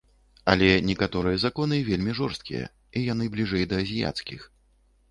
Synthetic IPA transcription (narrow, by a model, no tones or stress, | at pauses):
ɐlʲɛnʲɛkat̪ɔɾɨjɐzakɔnɨvʲelʲmʲiʐɔrst̪̚kʲijɐ̰ | ijanɨblʲiʐɛjd̪ɐːzʲija̰t̪skʲix